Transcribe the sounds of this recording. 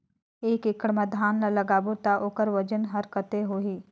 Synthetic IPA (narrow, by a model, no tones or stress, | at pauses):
eːkɪkəɽmɐd̪ʱaːnlalɐɡaːbut̪aʔoːkəɾʋɐd͡ʒənɦɐɾkət̪eɦoːɦiː